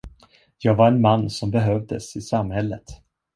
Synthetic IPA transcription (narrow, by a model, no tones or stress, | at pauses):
jɑːɡvaɾɛnmanːsɔmbɛɦœvd̪ə̰sɪsamhɛlːət̪